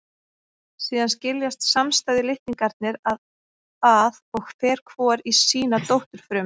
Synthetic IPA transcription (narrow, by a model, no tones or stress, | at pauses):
siːðanscɪljast̪samst̪aːjðɪlɪht̪iŋkaɾt̪̚nɪɾað | aðɔɣfɛːɾ̥kʰvɔːɾisiːnat̪owht̪ʏɾ̥fɾʏm